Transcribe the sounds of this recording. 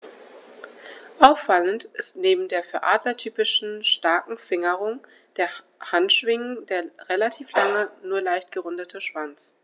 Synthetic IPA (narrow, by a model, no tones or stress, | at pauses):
ʔaʊfːaləntʔɪstneːbm̩deːɐfyːɐʔaːdlɐtʰyːpɪʃn̩ʃtaɐkŋ̩fɪŋəʁʊŋ | d̥eːɐ | hantʃv̥ɪŋəndeːɐʁelatʰiːflaŋənuːɐlaɪçtɡ̥əʁʊndətʰəʃv̥ant͡s